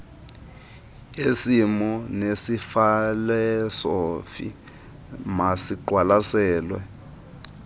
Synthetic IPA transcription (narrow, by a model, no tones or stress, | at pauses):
esimɔnesifalɛsɔfḭ | masiǃwalasɛːlwɛ̰